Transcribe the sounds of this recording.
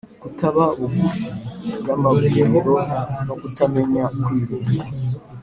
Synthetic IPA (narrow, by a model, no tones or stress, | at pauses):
ɡ̥utaβauɡu | ɡamaɡujemeɾo̞nokutame̞ɲakwiːɾuɡe